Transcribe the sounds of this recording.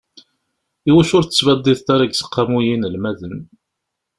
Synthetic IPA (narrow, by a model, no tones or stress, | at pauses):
iwæʃʊɾθə̥t͡sːvæd̪ˤːiðt̪aɾaɡsə̥qːamujinəlmæðən